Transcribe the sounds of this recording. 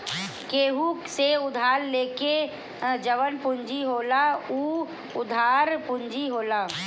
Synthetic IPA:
keːɦukseʊd̪ʱaːɾleːke | d͡ʒəʋənpʊɲd͡ʒiɦoːlauː | ʊd̪ʱaːɾpʊ̃ɲd͡ʒiɦoːlaː

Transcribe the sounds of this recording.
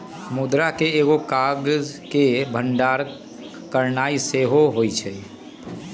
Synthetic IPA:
mud̪ɾakeeɡokaɡzkebʱəɳɖaɾ | kəɾnaiseɦoɦojt͡ʃʰɛ

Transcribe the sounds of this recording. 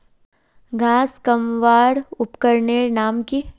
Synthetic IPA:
ɡʱaːskɐmʋaːɾʊpkəɾnenaːmki

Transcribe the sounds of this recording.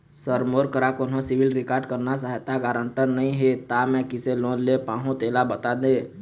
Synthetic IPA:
səɾmoːɾkəɾakʊnɦõsɪʋɪlɾɪkaːɾɖkəɾnas̬aːɦɛt̪aɡaːɾə̃ɳʈəɾnɐɦĩɦet̪amɛ̃kɪselõːnlepãːɦũt̪eːlabɐt̪ad̪ẽː

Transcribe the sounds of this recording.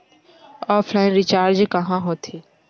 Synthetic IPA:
ɔːfʰlaːɪnɾɪt͡ʃaːɾd͡ʒkəɦãːɦoːt̪ʰeː

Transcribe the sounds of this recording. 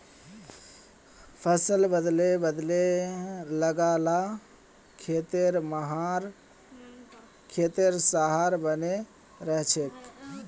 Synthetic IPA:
pʰəsəlbəd̪lebəd̪le | ləɡala | kʰet̪eɾməɦaɾ | kʰet̪eɾsaɦaɾbəne | ɾəɦt͡ʃʰek

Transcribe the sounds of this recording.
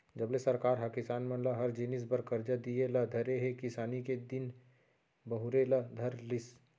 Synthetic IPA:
d͡ʒɐblesɐɾkaːɾɦɐkɪsaːnmɐ̃laɦɐɾd͡ʒinɪs̬bɐɾkɐɾd͡ʒad̪ielad̪ʱɐɾeɦekɪsaːniked̪ɪn | bɐɦʊɾelad̪ʱɐɾlɪs

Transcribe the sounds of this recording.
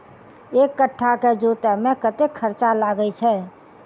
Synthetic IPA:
ekːəʈʰːaked͡ʒot̪əmekət̪ekʰːəɾt͡ʃalaɡɛt͡ʃʰɛ

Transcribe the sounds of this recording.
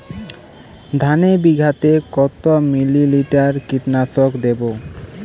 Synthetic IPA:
d̪ʱanebiɡʱat̪ekɔt̪omililiʈaɾkiʈnatokd̪ebo

